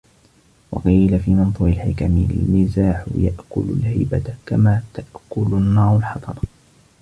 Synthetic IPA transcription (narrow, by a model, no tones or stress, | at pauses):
wɑ̰qiːlafiːmɑnt̪ˤuːʕɪlħɪkamɪ̰lmɪzaːħʊ̰jaʔkʊlʊ̰lhajbakamaːt̪aʔkʊlʊnːɑːɾˤʊlħɑt̪ˤɑɾˤ